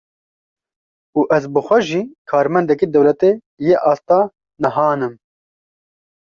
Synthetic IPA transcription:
uːʔɛzbɨxʷɛʒiːkʰɑːɾmɛnd̪ɛkid̪ɛwlɛt̪e | jeʔɑːst̪ɑː | nɨɦɑːnɨm

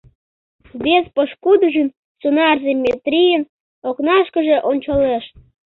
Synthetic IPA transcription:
βespəʃkud̪əʒyn | t͡sunɑrzemʲːet̪ɾʲijən | oknɑʃkə̆ʒeʔonʲt͡ɕɑleʃt̪̚

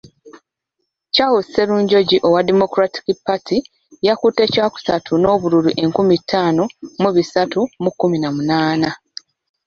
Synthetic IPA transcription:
cawuse̞ɾuːɲɟo̞ɟiʔo̞wademo̞kɾati̥kipːatʰi | jakute̞caːku̥satʰuno̞ːβuɾuɾuʔe̞ŋkumitʰːaːno̞muβisatumukːuminamunaːna

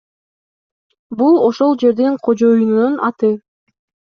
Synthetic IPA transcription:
bulˠo̞ʃo̞lˠd͡ʒe̞ɾd̪eɴqʰo̞d͡ʒo̞junnunʔɑt̪ɯ

